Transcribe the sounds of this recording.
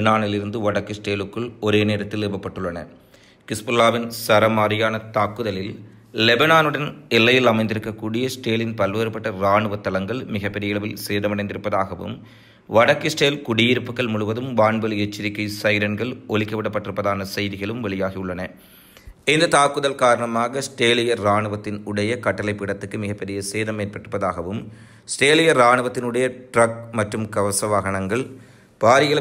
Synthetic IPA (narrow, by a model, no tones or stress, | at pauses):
naːnɪlɪɾɯnd̪ɯʋɐɽɐkːɯsʈeːlɯkːɯɭɔɾeːneːɾɐt̪ːɪlɪɾbɐpːɐʈːɯɭːɐnɐ̰ | kɪspɐlːaːʋɪnsɐɾɐmaːɾɪjaːnɐt̪aːkːɯðɐlɪl | lɛbɐnaːnɯɽɐnɛlːɐjɪlɐmɐɪnd̪ɪɾɯkːɐkːuːɽɪjɐsʈeːlɪnpɐlʋɐɾɐpːɐʈːɐɾaːɳɯʋɐt̪ːɐlɐŋɡɐɭmɪɣɐpːɛɾɪjɐɪɭɐʋɪlseːðɐmɐɽɐɪnd̪ɪɾɯpːɐðaːɣɐʋɯ̰m | ʋɐɽɐkːɯsʈeːlkʊɽɪjɪɾɯpːɯkːɐɭmʊɻʊʋɐðɯmʋaːɳbɐljɛt͡ʃːɪɾɪkːɐɪsɐjɾɐnɡɐɭɔɭɪkːɐʋɪɽɐpːɐʈːɪɾɯpːɐðaːnɐsɐjðɪɣɐɭɯmʋɛɭɪjaːɣiɯɭːɐnɐ | ɪnd̪ɐt̪aːkːɯðɐlkaːɾɐɳɐmaːɣɐsʈeːlɪjɐɾːaːɳɯʋɐt̪ːɪnʊɽɐjɐkɐʈːɐlɐɪpːɪɽɐt̪ːɯkːɯmɪɣɐpːɛɾɪjɐseːðɐmːeːr̚pɐʈːrɯpːɐðaːɣɐʋɯm | sʈeːlɪjɐɾaːɳɯʋɐt̪ːɪnʊɽɐjɐʈɾɐk̚mɐʈrɯmkɐʋɐsɐʋaɣɐɳɐŋɡɐɭ | paːɾɪjɐɪlɐ